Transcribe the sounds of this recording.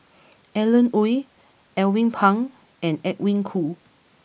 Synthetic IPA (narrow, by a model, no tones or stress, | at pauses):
ʔɛlə̃nuj | ɛwĩŋpʰãŋ | ɛ̃nɛk̚wĩŋkʰu